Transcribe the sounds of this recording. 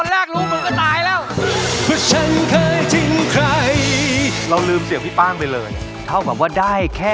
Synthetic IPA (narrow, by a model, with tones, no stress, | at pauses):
ɔ˧nɾɛː˥˩k̚ɾuː˦˥me˧nkʰaː˧˥˩naː˧jlɛː˦˥˩wpʰɔ˧˩t͡ɕʰa˦˥nkʰɤː˧jt̪ʰi˧ŋkʰɾa˧jɾa˧wlɯː˧msi˨˦ŋwiː˦˥˩paː˥˩ŋpa˧jlɤː˧j | t̪ʰa˥˩wka˨˩p̚waː˥˩daː˥˩jkʰɛː˥˩